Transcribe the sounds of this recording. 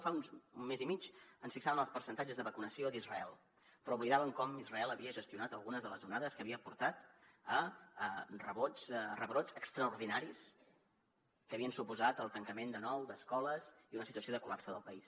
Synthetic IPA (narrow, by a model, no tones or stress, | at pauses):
faunnmːezimit͡ʃənsfiksaβənəlˠspəɾsənt̪ad͡ʒəzðəβəkunəsiod̪izrəɛlˠ | pɾɔuβliðaβəŋkɔmizrəɛlˠəβiəʒəst̪iunat̪əlˠɣunəzðələzunaðəskəβiəpuɾt̪at̪ə | rəβot͡srəβɾot͡səkst̪ɾəuɾðinaɾis | kəːβiənsupuzat̪əlˠt̪əŋkəmend̪ənɔwd̪əskɔləziunəsit̪uəsioðəkulapsəðəlˠpəis